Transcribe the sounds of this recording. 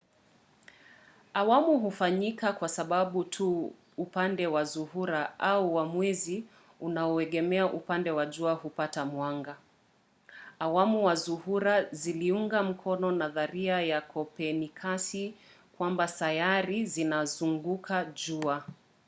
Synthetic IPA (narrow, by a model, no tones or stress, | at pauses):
awamuɦufaɲikakwasaɓaɓutʰu | upandɛwazuhuɾaʔauwamwɛzi | unauɛɠɛmɛaʔupandɛwaʄuahupatamwaŋɡa | wamuwazuhuɾaziliuŋɡam̩kʰɔnɔnaðaɾiajakʰɔpɛnikʰasi | kwambasajaɾizinazuŋɡukʰaʄua